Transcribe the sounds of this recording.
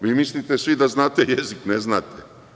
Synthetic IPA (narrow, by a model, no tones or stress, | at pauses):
ʋiːmislit̪esʋid̪aznaːt̪ejezikneznaːt̪e